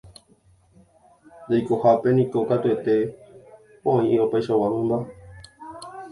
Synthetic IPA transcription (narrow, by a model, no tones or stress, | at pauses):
d̪ajkohape̞nĩkokat̪ue̞t̪e̞ | poãĩiopajʃawãmɨ̃mba